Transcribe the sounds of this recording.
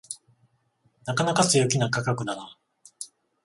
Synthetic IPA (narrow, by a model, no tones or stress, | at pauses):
nakanakasɨjokʲinakakakɯ̟naɾa